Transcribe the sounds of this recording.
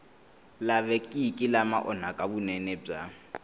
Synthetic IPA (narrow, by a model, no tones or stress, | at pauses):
laβɛkʼikʼɪlama̰ʔɔn̤akʼabunɛnɛb͡ʐa